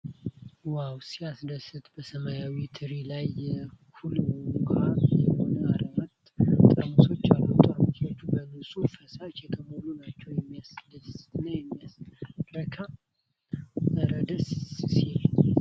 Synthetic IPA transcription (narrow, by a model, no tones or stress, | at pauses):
wawsiasd̪əsɨt̪bəsəmajawit̪ʰɨɾilajɛkʰulmənkʷʰajɛho̞nəaɾəmət̪ʼt̪ʼəmuso̞t͡ʃːalːut̪ʰʼamt̪ʰot͡ʃːubənɨsʼufəsat͡ʃɛkʰʼəmulunat͡ʃːɛwjɛmːijasd̪əsɨ̥t̪najɛmːijasɾəkʰa | əɾəd̪əssiɲ